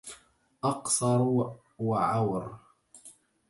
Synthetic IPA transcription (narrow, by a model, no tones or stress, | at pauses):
ʔɑqsˤɑɾˤ | waʕawɾ